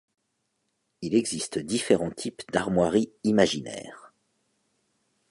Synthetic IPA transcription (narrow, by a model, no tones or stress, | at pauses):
ilɛɡzist̪d̪ifeʁɑ̃t̪ʰipd̪aʁmwaʁiimaʒinɛ̰ːʁ